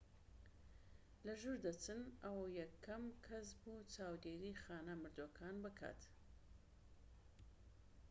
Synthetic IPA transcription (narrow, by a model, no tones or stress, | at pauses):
lɐʒuɾd̪ɐt͡sɨnʔɐwɐjɛkʰːɐmkʰɐs̬but͡saːwd̪eːɾiːxaːnɐmɨɾd̪okʰaːnbɨkʰa̰t̪